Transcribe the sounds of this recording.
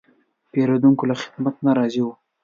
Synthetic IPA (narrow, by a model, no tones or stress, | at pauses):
peɾod̪uŋkolaxɪ̥d̪mat̪naɾɑziwu